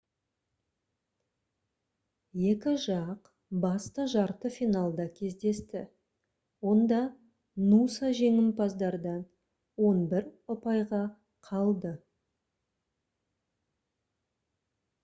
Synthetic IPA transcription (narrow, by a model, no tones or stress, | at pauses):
je̞kʲɪʒɑq | bɑst̪əʒɑɾt̪əfijnɑlˠd̪ɑkʲʰe̞zd̪e̞st̪ɪ̰ | wo̞nd̪ɑ | nusɑʒe̞ŋɪmpʰɑzd̪ɑɾd̪ɑn | wo̞nbɪɾʊpɑjʁɑ | qʰɑlˠd̪ə